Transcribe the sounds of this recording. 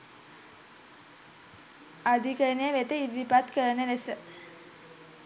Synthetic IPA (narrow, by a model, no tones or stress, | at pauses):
ad̪ikənejəʋet̪əiʋːipat̪kəɾənənesə